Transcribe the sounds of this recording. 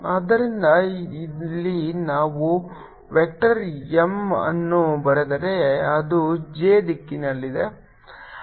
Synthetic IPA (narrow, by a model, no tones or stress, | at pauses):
ɐd̪ɐɾind̪ɐilːinaːʋu | ʋek̚ʈɐɾemɐ̰nːubɐɾed̪ɐɾe̞ɐd̪ud͡ʒeːd̪ikːinɐlːid̪e̞